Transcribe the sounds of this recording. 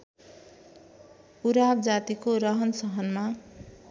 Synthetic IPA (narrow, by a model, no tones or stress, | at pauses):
uɾabd͡zat̪ikoɾʌɦʌnsʌɦʌnma